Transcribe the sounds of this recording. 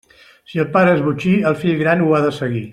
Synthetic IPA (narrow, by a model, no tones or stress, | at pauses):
siəlˠpaɾəezβut͡ʃiəlˠfiʎɣɾanuaðəsəɣi